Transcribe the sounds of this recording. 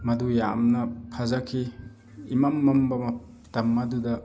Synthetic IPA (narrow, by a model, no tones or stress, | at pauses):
mɐdujamnɐpʰazakʰi | imamːɐmbɐmɐ | tɐmːadudɐ